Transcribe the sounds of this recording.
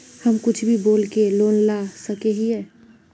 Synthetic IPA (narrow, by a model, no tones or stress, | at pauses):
həmkʊt͡ʃʰbʱiboːlkeloːnlasəkeɦiɛ